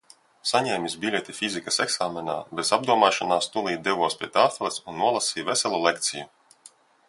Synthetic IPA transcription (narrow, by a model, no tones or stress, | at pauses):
saɲɛːmʲisʲbʲilʲet̪ʲifʲizʲikaseksaːmʲɛna̰ːbɛzab̚d̪uɔmaːʃanaːst̪ulˠiːd̪ɛvuɔspɾʲḭɛt̪aːflˠɛsunːuɔlˠasʲiːvɛsɛlʲˠulˠek̚t̪siju